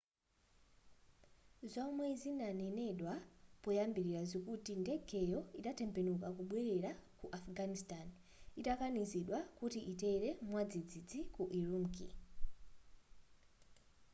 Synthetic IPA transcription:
zɔmwɛzinanɛnɛɗwapɔjambiɾiɾazikutindɛɡʰʱɛjɔiɗatɛmpɛnukakuɓwɛɾɛɾakuʔafɡanistan | itakaniziɗwakutiʔitɛɾɛmwad͡zid͡zid͡zikuʔiɾumkḭ

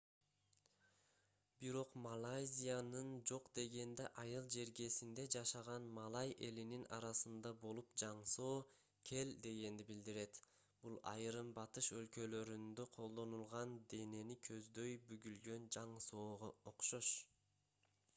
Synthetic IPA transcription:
biɾo̞qmalˠajzʲijanɯnd͡ʒo̞qd̪e̞ɡe̞nd̪e̞̰ʔɑjɯlˠd͡ʒe̞ɾɡe̞sind̪e̞d͡ʒɑʃɑʁɑnmɑlˠɑjʔe̞lininɑ̰ɾɑsɯnd̪ɑbo̞lˠupd͡ʒɑɴso̞ː | kʲʰe̞ld̪e̞ɡe̞nd̪ibild̪iɾe̞t̪ | b̥ulˠɑ̰jɾɯmbɑt̪ɯʃø̞lkø̞lø̞ɾynd̪øqʰo̞lˠd̪o̞nulˠʁɑnd̪e̞ne̞nikʰø̞zd̪ø̞jbyɡylɡø̞nd͡ʒɑɴso̞ːʁooqʃo̞ʃ

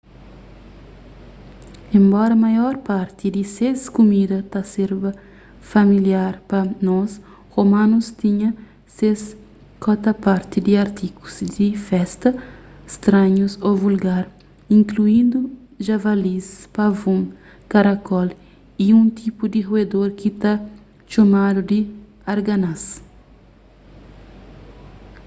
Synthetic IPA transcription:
ẽmbɔɾɐmajɔɾpaɾt̪id̪iseskumid̪ɐt̪aseɾbɐ | familjaɾpɐnɔs | homãnust̪iɲɐ | ses | kɔt̪ɐpaɾt̪id̪iaɾt̪iku̥z̥d̪ifɛst̪ɐst̪ɾãɲusovulɡaɾ | ĩŋkluĩnd̪u | ʒavalispavũm | kaɾakɔl | iũnt̪ʰipud̪iʁued̪oɾkit̪a | t͡ʃomad̪ud̪i | aɾɡanas

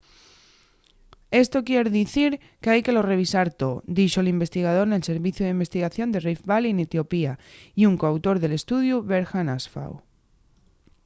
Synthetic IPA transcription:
e̞st̪o̞kje̞ɾðiθiɾ | keajke̞lo̞re̞β̞isaɾt̪o̞d̪iʃolimbe̞st̪iɣ̞að̞o̞ɾne̞lse̞ɾβiθjuðeimbe̞st̪iɣaθjo̞nd̪e̞rifβalinet̪jo̞piaiuŋkoawt̪o̞ɾðe̞le̞st̪uðjuβe̞ɾxanasfa̰w

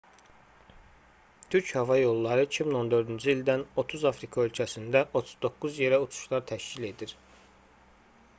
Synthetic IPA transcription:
t̪ʰyɾchɑvɑjo̞lˠːɑɾɯicʰimino̞nd̪ø̞ɾd̪ynd͡ʒiild̪æno̞t̪ʰuzɑfɾikʰɑø̞lcʰæsind̪æʔo̞t̪ʰu̥zd̪o̞kːuzje̞ɾæut͡ʃ̪ʰu̥ʃlˠɑɾt̪ʰæʃcile̞d̪iɾ

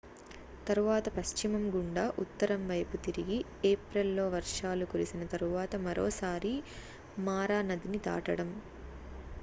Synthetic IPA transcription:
t̪ɐɾuʋaːt̪ɐpɐʃt͡ʃimɐmɡuɳɖaːʔut̪ːɐɾɐmʋɐjput̪iɾiɡi | eːpɾelːo̞ːʋɐɾʂaːlukuɾisinɐt̪ɐɾuʋaːt̪ɐmɐɾo̰ːsaːɾi | maːɾaːnɐd̪init̪a̰ːʈɐɽɐm

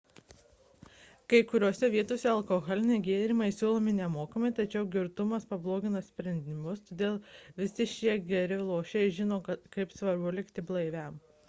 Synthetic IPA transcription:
kɐɪkʊɾʲoːsʲɛʋʲiɛt̪oːsʲɛɐlˠkoːɣɔlʲɪnʲɛɪɡʲeːɾʲɪmɐɪsʲuːlˠoːmʲɪnʲɛmoːkɐmɐɪt̪ɐt͡ʃʲɛʊɡʲɪɾt̪ʊmɐspɐblˠoːɡʲɪnɐsʲpʲɾʲɛnʲd̪ʲnʲɪmʊst̪oːd̪ʲeːlˠʋʲɪsʲɪʃʲiɛɡʲɛɾʲɪlˠoːʃʲɛɪʒʲɪnoːkɐɪpsʋɐɾbʊlʲɪkt̪ʲɪblˠɐɪʋʲɛm

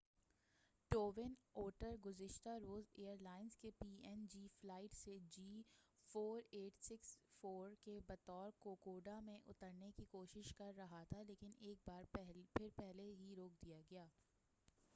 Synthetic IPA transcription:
ʈoːʋɪnoːɾʈəɾɡʊzɪʃt̪aɾoːzeːəɾlaːɪnzkepiːɛnd͡ʒiːflaːɪʈsed͡ʒiːfoːɾeːʈsɪksfoːɾkebɐt̪ɔːɾkoːkoːɖamẽʔʊ̰t̪əɾnekikoːʃɪʃkɐɾːɐɦat̪ʰaleːkɪneːk̚baːɾpʰɪɾpɛɦleɦiɾoːk̚d̪ijaɡɐjaː

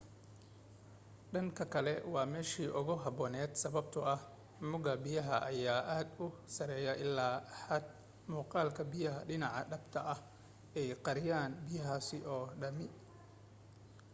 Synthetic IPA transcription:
ɖɐŋkʰɐkʰɐlɛwɑːmɛːʃiːʔʊɣʊɦɐbɔːnɛːd̪sɐβɐb̚t̪ʰʊɐh | mʊɣɐbɪjɐɦɐʔɐjaːʔaːd̪ʊsɐɾɛːjɐʔɪlːaːħɐd̪̚ | muːqɑːlkʰɐbɪjɐɦɐɖɪnɑʕɑ̰ɖɐbt̪ʰɐʔɐh | ɛjqɑɾɪjaːnbɪjɐɦaːsɪʔɔːɖɐmɪ

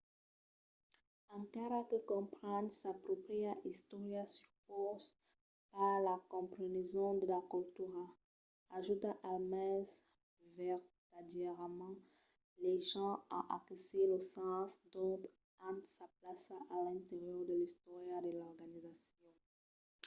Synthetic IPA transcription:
ɑ̃kaʁakəkɔ̃pχɛ̃nsapʁɔpχiaʔist̪ɔʁjasyʁpoz | paʁlakɔ̃pχenezɔ̃d̪əlakult̪yʁa | aʒut̪aʔalmɛ̃z | vɛʁt̪ad̪ɛʁmɑ̃ | leʒɑ̃aʔakeseləsɑ̃sd̪ɔ̃t̪ | ɑ̃t̪saplasaalɛ̃t̪eʁjœʁd̪əlist̪ɔʁjad̪əlɔʁɡanizasjɔ̃

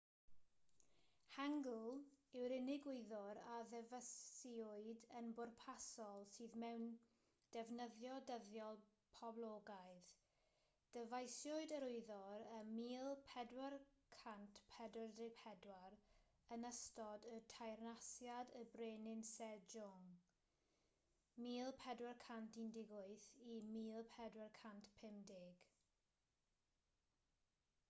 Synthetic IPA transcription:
haŋɡlˠɪwɾɪnɪɡwʊɨðɔɾaðɛvəsiʊɨdənbʊrpʰasɔlˠsiːðmɛwn | d̥ɛvnəðjɔdəðjɔlˠ | pʰɔblˠɔːɡajð | d̥əvajsjʊɨdəɾʊɨðɔɾəmiːlˠpʰɛdwarkʰantʰpʰɛdwɛrdɪpʰɛdwar | ənəstɔdətʰajrnasjadəbreːnɪnsɛdd͡ʒʊŋ | miːlˠpʰɛdwɛrkʰantindɪɡʊɨθimiːlˠpʰɛdwɛrkʰantpʰɪmdɪɡ̥

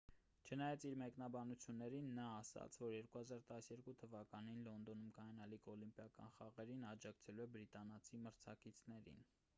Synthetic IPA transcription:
t͡ʃʰənɑjɑt͡sʰiɾmɛknɑbɑnut͡sʰjunːɛɾinːɑːsɑ̰t͡sʰvɔɾjɛɾkuhɑzɑɾt̪ɑsjɛɾkut̪ʰəvɑkɑninlɔnd̪ɔnumkɑjɑnɑlikɔlimpjɑkɑ̰nχɑʁɛɾinɑd͡ʒɑkt͡sʰɛluɛbɾit̪ɑnɑt͡sʰiməɾt͡sʰɑ̰kit͡sʰnɛɾḭn

